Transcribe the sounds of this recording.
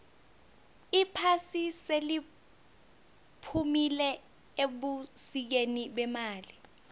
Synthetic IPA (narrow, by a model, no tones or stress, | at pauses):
ipʰasiseli | pʰumilɛ | eɓusik̬eniɓɛmaːli